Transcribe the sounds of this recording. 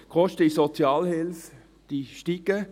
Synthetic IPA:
kʰɔʃtəisot͡sjɑːlhɪlf | d̥iʃtiɡə

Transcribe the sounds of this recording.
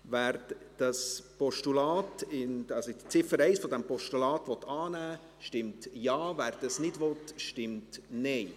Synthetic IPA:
væːɾd̥ɑspɔʃtulɑːtɪnɑsott͡sɪfəɾɛɪsfɔd̪ɛmpɔʃtulɑːtʋɔt̪ɑːnæː | ʃtɪmtjɑːvæːɾd̥ɑsnɪdʋɔtʃtɪmtnɛɪ

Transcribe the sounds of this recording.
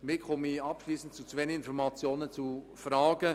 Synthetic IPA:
mɪχɔmiɑpʃliːsn̩tt͡sut͡svenɪnfɔɾmɑt͡sjoːnət͡su | fɾaːɡ̥ə

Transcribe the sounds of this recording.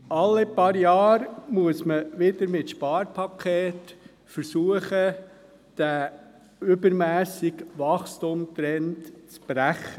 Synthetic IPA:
ʔɑlːɪpɑːɾjɑːɾmuəsməʋɪd̪əɾmɪtʃpɑːɾpʰɑkʰeːt | fəɾsuəχə | d̥æ | ʏbəɾmæːsɪkʋɑχstumt̪ɾɛntt͡sb̥ɾæχə

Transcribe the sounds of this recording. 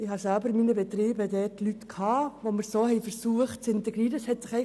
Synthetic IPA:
ɪhɑsælbəɾmiːnəbɛtɾiːbədɛːtlytkʰhɑːʋomɪɾsoːhɛjfəɾsuəχt̚t͡sɪntɛɡɾiːɾəshɛtsɪχɛɪ

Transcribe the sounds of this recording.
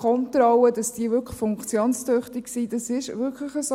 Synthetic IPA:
kʰɔnt̪ɾɔwədɑsd̥iəvʏɾkχfʊŋkt͡sjoːnst̪øχtiksid̥ɑsɪʃvʏɾkʰləχəso

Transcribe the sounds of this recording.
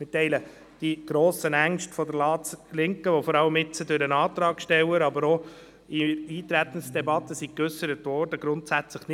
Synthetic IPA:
mɪtɛɪlə | d̥iɡ̥ɾoːsənæŋʃtfɔd̪əɾlɑːt͡slɪŋkəʋɔfɔɾɑləmɪt͡sədøɾənɑːt̪ɾɑːɡ̥ʃtɛwəɾɑbəɾɔ | iiːt̪ɾæt̪ənsd̥ɛbɑt̪əsikʏsəɾətʋɔːɾd̥əɡ̥ɾʊntsæt͡sləχn

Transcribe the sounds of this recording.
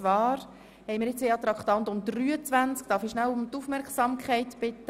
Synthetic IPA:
ʋɑːɾ | hɛjmiːɾjɪt͡sʋeɑt̪ɾɑkχtɑnt̪ʊmd̪ryːət͡sʋænt͡skd̥ɑːfiʃnæwʊmt̪ufmɛɾkχsɑmkχɛɪtb̥ɪt̪ːə

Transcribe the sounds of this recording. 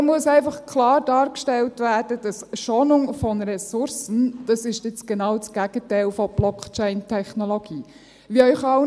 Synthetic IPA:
muəsɛɪfɑχkʰlɑːɾd̥ɑːɾkʃtɛltʋæːɾd̥əd̥ɑsʃonʊŋfɔnɾɛsʊɾsənd̥ɑsɪʃtɪt͡sɡ̥enɑwt͡sɡ̥æɡ̥ətɛɪlfɔb̥lɔkt͡ʃɛɪntʰɛχnɔloɡ̥iː | ʋiœʏχɑw

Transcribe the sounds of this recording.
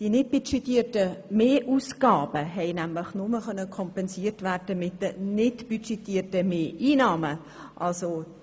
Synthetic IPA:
d̥inɪt̚b̥yʃɛtiːtəmeːʔusɡ̥ɑːb̥əɦɛɪnæmləχnʊməχœnːəkʰɔmpɛnsiːrtʋæːrd̥əmɪtdənɪtb̥yt͡ʃɛtiːətəmeːʔiːnɑːmə | ʔɑlso

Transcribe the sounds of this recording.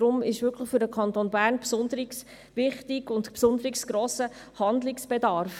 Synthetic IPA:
dɾʊmɪʃʋʏrkʰləχfʏɾdəkʰχɑnt̪oːnbæːɾnpsʊnd̪əɾiks | ʋɪχtɪɡʊntpsʊnd̪əɾɪksɡ̥ɾoːsə | hɑnd̪lɪksb̥ɛdɑɾf

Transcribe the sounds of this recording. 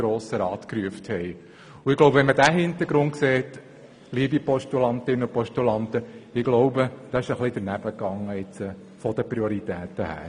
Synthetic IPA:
ɾoːsəɾɑːt̪kɾyəfthɛj | uɪɡ̥loʊbpəʋɛnmədæɦɪnt̪əɾɡɾʊntkseːt | liəbipɔʃtulɑnt̪ɪnːəupɔʃtulɑntəɪɡlɔʊbəd̥ɑːɪʃəχlid̥̪əɾnæb̥əkɑŋːəɪt͡sə | fɔd̥̪əpɾioɾit̪æːt̪əhæ̰ː

